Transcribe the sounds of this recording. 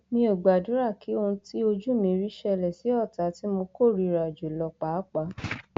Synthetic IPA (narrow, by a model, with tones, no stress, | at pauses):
mĩ˧˦o˨ɡ͡ba˨dũ˨˦ɾa˦˨kʰi˨˦o˧ũ˧ti˦o˧d͡ʒu˦mĩ˧ɾi˦ʃɛ˧˨lɛ˨si˨˦ɔ˦˨ta˨˦ti˦mo˧ko˦˨ɾi˨˧ɾa˨d͡ʒu˨lɔ˧k͡pa˨˦k͡pa˧˦